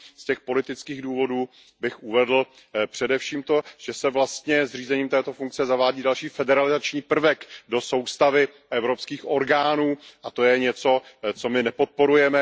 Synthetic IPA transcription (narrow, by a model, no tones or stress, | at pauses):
scɛxpo̞lɪt̪ɪt͡skiːɣduːvo̞duː | bɪxʔuvɛdl̩ | pr̝̥ɛdɛfʃiːmt̪o̞ʒ̥ɛsɛvlast̪ɲɛzr̝iːzɛɲiːmt̪ɛːt̪o̞fuŋk̚t͡sɛzavaːɟiːdalʃiːfɛdɛɾalɪzat͡ʃɲiːpr̩vɛkdo̞so̞wst̪avɪ | ʔɛvɾopskiːxʔo̞ɾɡaːnuːʔat̪o̞jɛɲɛt͡so̞t͡so̞mɪnɛpo̞t̪̚po̞ɾujɛmɛ